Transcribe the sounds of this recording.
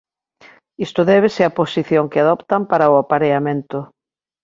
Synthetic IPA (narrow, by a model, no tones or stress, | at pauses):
ist̪ʊðɛβ̞eseɐposiθjoŋkɪaðɔpt̪ampaɾaʊapaɾeamẽnt̪ʊ